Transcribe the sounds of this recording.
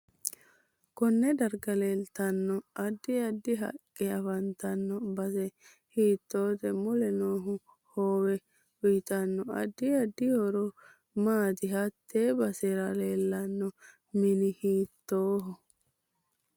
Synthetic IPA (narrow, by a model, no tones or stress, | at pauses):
kɔnːɛd̪ɐɾɡɐleːlt̪ɐnːɔɐd̪ːɪɐd̪ːɪɦɐ̰kʼːɛɐfɐnt̪ɐnːɔbɐsɛ | hiːt̪ːoːt̪ɛmʊlɛnoːɦʊ | hoːwɛ | wʊjt̪ɐnːɔɐ̰d̪ːɪɐd̪ːɪhɔɾɔ | maːt̪ɪɦɐt̪ːeːbɐsɛɾɐleːlːɐnːɔ | mɪnɪhiːt̪ːoːɦɔ